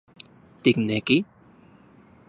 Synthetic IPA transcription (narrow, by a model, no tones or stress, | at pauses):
t̪ik̚nɛki